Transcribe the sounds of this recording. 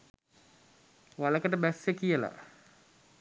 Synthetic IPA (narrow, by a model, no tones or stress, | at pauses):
ʋaləkəʈəbæsjəkijəla̰